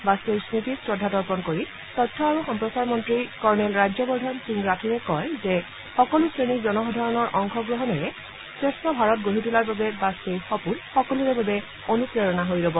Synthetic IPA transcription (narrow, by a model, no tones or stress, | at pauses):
basejsnit̪iswɔdʱːatɔɹpɔnkoɹi | t̪ɔtʰːɔaɹuxɔmpɹɔsaɹmɔntɹikɔɹnelɹajd͡ʒɔbɔɹdʱɔnsiŋɡɹatʰiɹekɔjze | xɔkɔlusɹenid͡ʒɔnɔɦɔd̪ʱaɹɔnɔɹʔɔŋkʰɔɡɹɔɦɔnɛɹɛ | sɹestʰɔbʱaɹɔt̚ɡoɦitulaɹbabɛbasejxɔpulxɔkɔluɹɛbabe | onupɹeɹɔnaɦojɾɔbɔ